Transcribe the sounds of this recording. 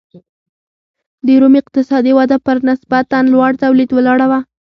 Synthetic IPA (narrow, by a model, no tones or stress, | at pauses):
d̪əɾumɪq̚t̪ɪsɑd̪iwad̪apəɾnɪsbat̪ːanlwaɽt̪awlid̪wəlɑɽawa